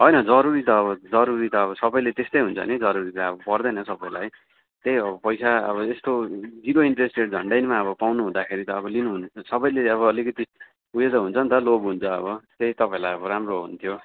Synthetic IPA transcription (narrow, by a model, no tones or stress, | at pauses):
ɦʌjnʌd͡zʌɾuɾit̪ʌːβʌd͡zʌɾuɾit̪ʌːβʌsʌbʌjlet̪est̪ʌjɦunt͡sʰʌ̰nid͡zʌɾuɾit̪aʌbʌpʌrd̪ʌnʌsʌbʌjla̰j | t̪ejʌbʌpʌjsaʌ̰βʌest̪od͡ziɾoiɳʈresʈeʈ̚d͡zʱʌ̰ɳɖajnmaʌβʌpawnuɦũd̪akʰeɾit̪ʌːbʌlinuɦunʌsʌbʌjleʌβʌːlikʌt̪i | ujed̪ʌɦunt͡sʰʌnt̪ʌlobɦunt͡sʰʌʌ̰βʌt̪eit̪ʌpãĩlajʌbʌɾamroɦṵnt̪ʰjo